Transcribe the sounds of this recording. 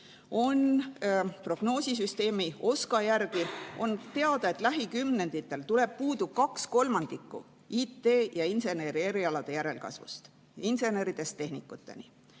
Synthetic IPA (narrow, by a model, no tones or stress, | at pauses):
o̞n | pro̞ɡ̥no̞ːsʲis̬yst̪e̞ːmio̞skɑjærɡiʔo̞nt̪e̞ɑd̪̥ɑe̞t̪ːˑlæɦikymne̞nd̪̥it̪ˑːe̞lt̪ule̞b̥̚puːd̪ukɑksko̞lmɑnd̪̥ikːˑṵ | iːt̪ːeːjɑinse̞neɾie̞ɾiɑlɑd̪̥e̞jæɾe̞̰lkɑ̰svṵst̪ | inse̞ne̞ɾid̪̥e̞st̪ːe̞ɦnikːˑut̪ːˑe̞̰ni